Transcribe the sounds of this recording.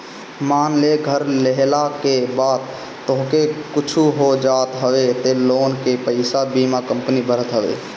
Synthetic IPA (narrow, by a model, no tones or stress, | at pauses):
maːnleɡʱəɾleɦlakebaːd̪ | t̪ːoɦkekʊt͡ʃʰuɦod͡ʒaːt̪ɦəʋet̪eloːnkepəɪsabimakə̃mpnibəɾ̤ət̪ɦəʋḛ